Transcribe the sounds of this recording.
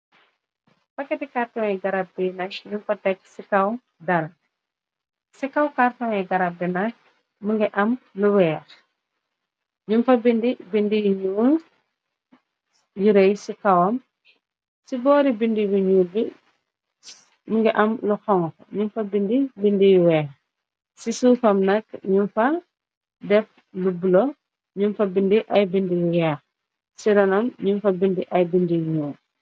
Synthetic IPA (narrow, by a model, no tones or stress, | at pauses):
pɐkːɛtikartɔŋɛɡɐɾab̚binaʃɲumfɐtɛk̚sikɐw | dɐɾɐ | sikɐwkartɔŋɛɡɐɾabinaʃ | muŋɡɛʔɐmluwɛːr | ɲumfɐbindibindijɲun | juɾɛjsikɐwɐm | sibɔːɾibindibiɲuːlbi | muŋɡiʔɐmluxɔŋɔkɲunfɐbindibindijuwɛː | sisuːfɐmnɐkɲunfɐ | dɛf | lubulɔ | ɲunfɐbindiʔɐjbindijujaːx | siɾɐnɐmɲunfɐbindiʔɐjbindijɲuːn